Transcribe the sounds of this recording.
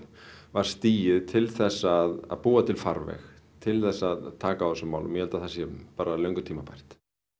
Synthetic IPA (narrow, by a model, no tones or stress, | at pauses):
vaɾ̥st̪iːjɪðt̪ʰɪlθɛsːaða̰ðpuːat̪ʰɪlfaɾvɛ̰x | t̪ʰɪlθɛsːaðt̪ʰaːkawθɛsʏmːa̰wlʏmjɛhɛlt̪aθasjɛpaːɾalœɥŋkʏt̪ʰiːmapajr̥t̪